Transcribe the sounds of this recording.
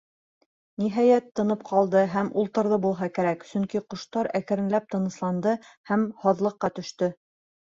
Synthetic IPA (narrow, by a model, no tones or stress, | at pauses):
niɦæjæt̪ːɤ̆nɤp̚qʰɑlˠd̪ɤɦæmʔulˠt̪ɤ̆ɾðɤbulˠɦɑkæɾæksɵŋkiqŏʃt̪ɑɾækɘ̆ɾɘ̆nlæp̚t̪ɤ̆nɤ̆slˠɑnd̪ɤhæmhɑðlˠɤ̆qːɑt̪ɵ̆ʃt̪ɵ